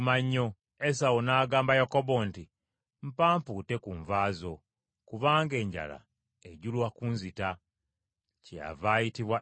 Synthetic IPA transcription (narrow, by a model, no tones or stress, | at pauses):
maɲːo̞ | es̬awonaːɡaːmbajakobo̞nti | m̩paːmpute̞kuːɱvaːzo̞ | kuβaːŋɡe̞ːɲɟa̰la̰ | eɟulwakunzita | ca̰vaːjitiβwa